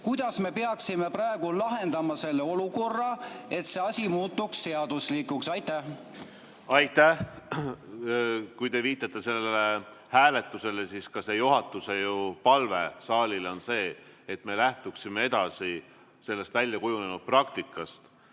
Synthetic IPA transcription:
kujd̪̥ɑsme̞peɑksimeprɑeɡ̥ulɑɦe̞nd̪̥ɑmɑse̞lːeo̞luko̞rːɑe̞t̪se̞ɑsʲimuːt̪ːuksːe̞ɑd̪̥usliːkuksɑjt̪ːˑæh | ɑjt̪ːæh | kujt̪e̞viːt̪ːˑɑt̪ːˑe̞se̞lːee | hæːle̞t̪ːˑuse̞lesiskɑse̞juɦɑt̪ːˑuse̞jupɑlve̞̰sɑːlʲilo̞nse̞ːet̪ːˑme̞læht̪uksime̞e̞d̪̥ɑsi | se̞lːe̞st̪vælʲjɑkujune̞nud̪̥̚prɑk̚t̪ikːˑɑst̪

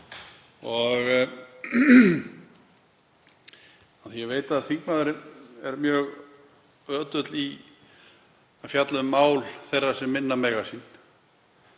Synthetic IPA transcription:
ɔɣ | aθjɛveːjt̪aaðθiŋkmaðʏɾɪmɛɾmjœːɣ | œːt̪ʏt̪li | afjat̪lʏʏmːaːwlθejrːḁsɛmːɪnːamɛɣḁsin

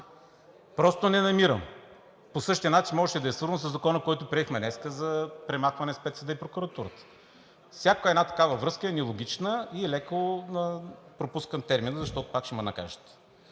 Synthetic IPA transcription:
pɾɔst̪onɛnɐmiɾəm | posɤʃt̪iənat͡ʃinmɔʒɛt̪ɛd̪ɐɛsvɤɾzənsəzːɐkɔnəkɔjt̪ʊpɾiɛxmɛnɛskəzɐpɾɛmaxvɐnɛspɛt̪səd̪əipɾokuɾɐt̪uɾət̪ə̥ | fsʲjakoɛd̪nat̪ɐ̥kavəvɾɤskəɛnilˠoɡʲit͡ʃnəiɛlɛkənɐpɾopuskənt̪ɛɾminəzɐʃt̪ɔt̪ʊ̥pakʃɛmɐnɐ̰ka̰ʒət̪

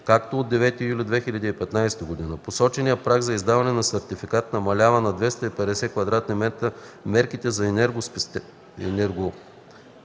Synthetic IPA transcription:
kakt̪ooːd̪ːɛvɛt̪ijulʲid̪vɛxilʲɐd̪iːpɛt̪najst̪əɡod̪inəposɔt͡ʃɛnijəpɾaɡzɐizd̪avɐnɛnɐsɛɾt̪ifikat̪nɐmɐlʲavənɐd̪vɛst̪ɐipɛd̪ɛsɛkvɐd̪ɾat̪̚nimɛt̪əmɛɾkit̪ɛzɐɛnɛɾɡʊs | ɛnɛɾɡo

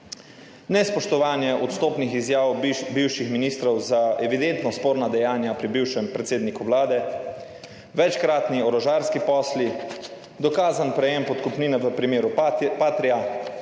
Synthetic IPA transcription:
nɛspɔʃt̪ɔʋaːnjɛʔɔt̪st̪oːpnixizjaːwbiwʃixminiːst̪ɾɔwzaɛʋid̪ent̪nɔspoːɾnad̪ɛjaːnjapɾibiwʃɛmpɾɛt̪seːd̪nikuʋlaːd̪ɛ | ʋɛt͡ʃkɾaːt̪niɔɾɔʒaːɾskipɔːsli | d̪ɔkaːzanpɾɛjɛmpɔt̪kupniːnɛʋəpɾimeːɾupaːt̪ɾija

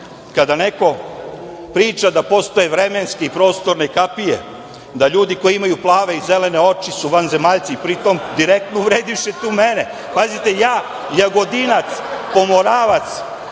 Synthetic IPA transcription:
kad̪aneko̞ | pɾiːt͡ʃad̪apo̞st̪o̞je̞ʋɾe̞menskeipɾo̞ːst̪o̞ɾne̞kapijḛ | d̪aʎuːd̪iko̞jiimajuplˠaːʋe̞izele̞ne̞o̞t͡ʃisuʋanze̞maʎt̪siːpɾit̪o̞md̪iɾek̚t̪nouʋɾeːd̪iʃet̪uːmene | pazit̪e̞jaː | jaɡo̞d̪inat̪spo̞moɾaːʋat̪s

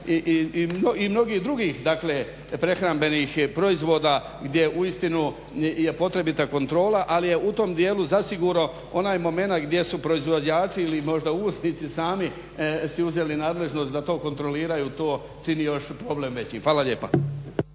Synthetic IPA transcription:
iʔimnoimno̞ɡiːd̪ɾuɡiːxd̪akle̞ | pɾe̞xɾambe̞niːxpɾo̞izʋo̞ːd̪a | ɡd̪je̞ʔuist̪inu | je̞po̞t̪ɾe̞bit̪ako̞nt̪ɾo̞ːlaʔalije̞ʔut̪o̞md̪je̞ːluzasiɡuɾno | o̞naːjmo̞me̞nat̪ɡd̪je̞supɾo̞izʋo̞d͡ʑaːt͡ʃiilimo̞ʒd̪auːsnit̪sisaːmi | siuzelinaːd̪le̞ʒno̞st̪d̪at̪o̞ːko̞nt̪ɾo̞liːɾajuːt̪o̞ː | t͡ʃinijo̞ʃpɾo̞ble̞mʋe̞t͡ɕixʋaːlaʎe̞ːpa̰

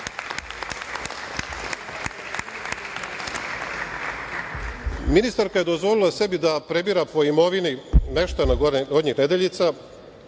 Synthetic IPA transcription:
minist̪aɾkaje̞d̪o̞zʋo̞lilˠase̞bid̪apɾe̞biɾapo̞imo̞ʋinineʃt̪anaɡod̪ɲixned̪eʎit̪sa

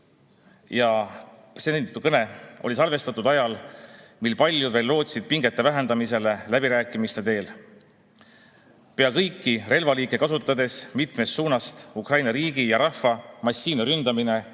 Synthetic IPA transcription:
jɑ | seenɑt̪ːukɤne̞ʔo̞̰lisɑlve̞st̪ɑt̪ːˑud̪ɑjɑlmilpɑlʲjud̪ve̞ːlːo̞ːt̪sid̪̥̚piŋɡ̥e̞t̪ːˑe̞væɦe̞nd̪ɑmise̞le̞læb̥iɾæːkːˑimist̪e̞t̪e̞ːl | pe̞ɑkɤjkˑːire̞lvɑliːkːe̞kɑsut̪ːˑɑd̪e̞smit̪mest̪suːnɑst̪ukrɑjnɑɾiːɡ̥ijɑɾɑhfɑmɑsːiːnɑɾynd̪̥ɑmine̞

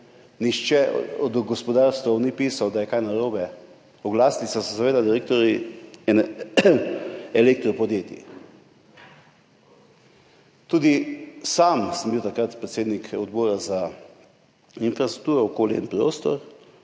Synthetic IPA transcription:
niʃt͡ʃɛɔd̪ɡɔspɔd̪aɾst̪ʋawnipiːsawd̪ajɛkajnaɾoːbɛ | ɔɡlaːsnisasɛsaʋeːd̪ad̪iɾek̚t̪ɔɾiɛn | ɛlek̚t̪ɾɔpɔd̪jeːt̪ḭ | t̪uːd̪isaːmsəmbiwt̪akɾat̪pɾɛt̪seːd̪nikʰɔd̪boːɾaza | infɾast̪ɾuk̚t̪uːɾɔɔkoːljɛ̰inpɾoːst̪ɔɾ

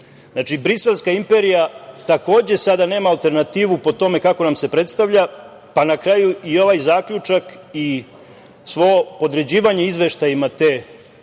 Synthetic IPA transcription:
znat͡ʃibɾise̞lˠskaimpe̞ɾijat̪ako̞ːd͡ʑe̞sad̪ane̞ːmaːlt̪e̞ɾnat̪iːʋupo̞t̪o̞me̞kako̞namse̞pɾe̞t̪st̪aʋʎa | panakɾaːjuio̞ʋajzaːkʎut͡ʂaki | sʋo̞opo̞d̪ɾe̞d͡ʑiːʋaɲeizʋe̞ʃt̪ajimat̪eː

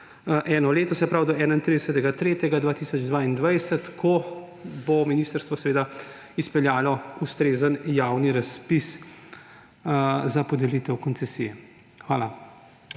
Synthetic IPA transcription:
ʔɛːnɔleːt̪ɔsɛpɾawd̪ɔɛːnaint̪ɾid̪əsət̪ɛɡat̪ɾeːt̪jɛɡad̪ʋaːt̪isɔd͡ʒd̪ʋaːind̪ʋajsət̪kʰɔ | bɔminiːst̪əɾst̪ʋɔsɛʋeːd̪a | ispɛljaːlɔust̪ɾeːzənjaːwniɾaspis | zapɔd̪ɛlit̪ɛwkɔntsɛsḭjɛ | xʋaːla

